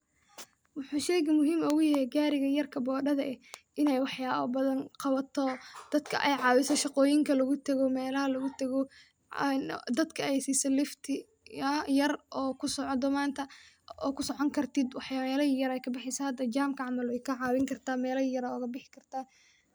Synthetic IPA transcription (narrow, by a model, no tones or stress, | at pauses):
wʊħuːʃɛjɣɐmʊɦiːmɔɣʊjɐɛɡaːɾɪɣɐjɐrkʰɐbɔːɖɐðɐʔɛhʔɪnɛjwɑħjaːwɐbɐðɐnqɑβɐt̪ʰɔd̪̥ɐd̪kʰɐ̰ʔɛjʕɑːwɪsɐʃɑqɔːjɪŋkʰɐlɐɣʊt̪ʰɐɣɔmɛːlɐhɐlʊɣʊt̪ʰɐɣɔ | nd̪ɐd̪kʰɐɛjsiːsɛlɪft̪ʰɪ | jɐrʔɔːkʰʊsɔʕd̪ɔmaːnt̪ʰɐ | ɔ̰ːkʰʊsɔʕɔŋkʰɐrt̪ʰɪd̪wɑħjaːlɐijɐɾɛjkʰɐbɪħɪsɐhɐd̪ːɐt͡ʃaːmkʰɐʕɑmɐlwɛjkʰɐʕɑːwɪŋkʰɐrt̪ʰaːmɛːlɐijɐɾaɔɣɐbɪħɪ̥kʰɐrt̪ʰaː